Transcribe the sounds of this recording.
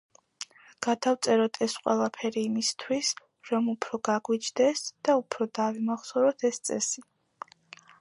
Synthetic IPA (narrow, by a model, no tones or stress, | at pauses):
ɡ̥ad̪aft̪sʼɛɾɔt̪ʰɛsqʼwɛ̰lˠapʰɛɾiːmist̪ʰwis | ɾɔmupʰɾɔɡaɡwit͡ʃʰd̪ɛsd̪̥aupʰɾɔd̪avimaχsɔɾɔt̪ʰɛst̪sʼɛsi